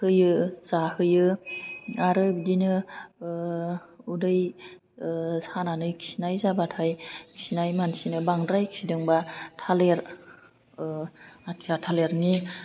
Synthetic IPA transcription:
hɯjɯzahɯjɯ | aɾɯbidinɯ | udɯj | sananɯjkʰisinajzabatʰajkʰi̥sinajmansinɯbaŋdɾajkʰsidɯŋbatʰaleɾ | atʰijatʰaleɾni

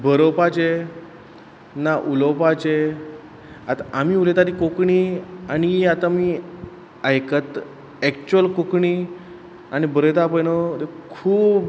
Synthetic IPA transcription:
bəɾəpat͡ɕe | naʔuləpat͡ɕe | at̪aʔamiulet̪at̪ikokɳianiat̪ami | ajkət̪ | ɛkt͡ɕuəlkokɳi | añibəɾəjt̪apəjnət̪ekʰuːbb

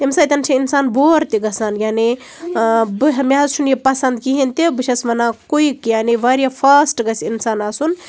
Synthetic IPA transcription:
t̪emsat̪ʲɐnt͡ʃʰiinsaːnboɾt̪iɡɐsanɡʲane | bɦɐmjazt͡ʃʰunjipɐsɐnd̪kiɦint̪ebiʃesmɐnakoikjaniʋaɾjapʰasʈɡɐsʲinsaːnasun

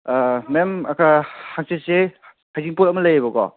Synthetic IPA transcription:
memɐkʰahaŋsese | hajziŋpuɾɐmɐlɐjabɔɡɔ̰

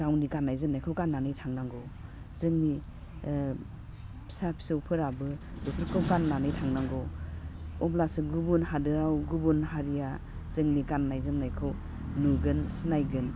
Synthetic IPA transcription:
ɡ̥awniɡanːajzɯmnajkʰɯwkanːanɯjtʰaŋnaŋɡɯw | zɯŋni | sapʰsiwpʰɯɾabɯ | dupʰɯɾkʰɯwkanːanɯjtʰaŋnaŋɡɯw | ɔblasɯɡubunɦadɯɾawɡubunhaɾija | z̥ɯŋnikanːajzɯmnajkʰɯw | nuɡɯnsinajɡɯn

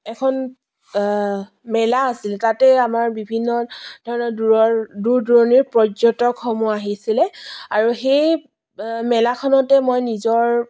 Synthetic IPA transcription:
ɛkʰɔn | mɛlaasilɛtatɛamaɹbibʱinːɔdʱɔɹɔnɔɹduɹɔɹduɹdɔɹɔniɹpɹɔzɔtɔkʰːɔmuaɦisilɛaɹuxej | mɛlakʰɔnɔtɛmojnizɔɹ

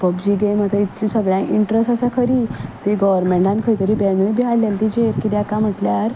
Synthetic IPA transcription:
pəbd͡ʑiːɡemət̪əit̪ũsəɡɭjãʔiɳʈɾesʈasakʰəɾiːt̪eɡəʋəɾmẽɳʈãnkʰəɾjt̪əɾiːbɛnubʱiɦaɽljalt̪id͡ʑeɾkid̪jakãm̤əʈljaɾ

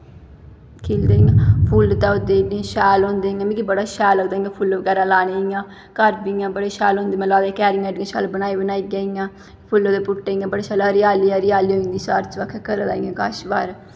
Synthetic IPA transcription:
kʰiːld̪eːiãːpʰuːlt̪aːʊd̪eːnẽʃɛːlɦõːnd̪eːĩjãːmĩːkibəɽaːʃɛːləɡd̪aːiãːpʰulʋəɡɛːɾãːlaːneːijãː | kəɾbiãːbəɽeːʃaːlõnd̪eːmɛ̃ːlaːd̪ekɛːɾɪŋaːɖiãːʃa̰ːlbənaːibənaːiːɡəijãː | pʰʊlod̪eːpʊʈːeːĩːãːbəɽeːʃaːlaɾɪjaːliːãːɾɪjaːliːɦoːĩnd̪iːsaːɾt͡ʃʋəkʰːkəɾd̪aːiːãkaʃbaːɾ

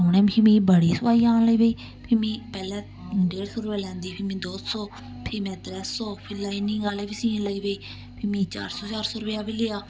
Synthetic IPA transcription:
ʊːɳɛːmkʰimĩːbəɽiːsʊpaːiːaːnləiːʋeiː | pʰɪmĩːpɛːlɛ̃ː | ɖeːɽsoːɾʊpɛːlɛ̃ːnd̪iːpʰɪːmĩːd̪oːsɔː | pʰɪmɛ̃ːt̪ɾɛsːɔːpʰɪlaːinĩːɡaːlɛːbiːsĩːnləiːʋeiː | pʰɪmĩːt͡ʃa̰ːɾsɔːt͡ʃaːɾsɔːɾʊpjaːbilɪːaː

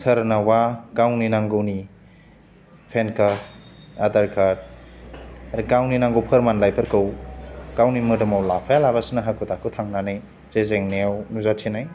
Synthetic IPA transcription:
sʰɐɾnawakawninaŋɡɯwni | pʰenka | adaɾkʰad̚ | aɾikawninaŋɡɯwpʰɐɾmanlajpʰɐɾkɯwkawnimɯdɯmawlapʰajalabasinaɦakʰɯtʰakʰɯwtʰaŋnanaj | zezeŋneawnuzatʰinaj

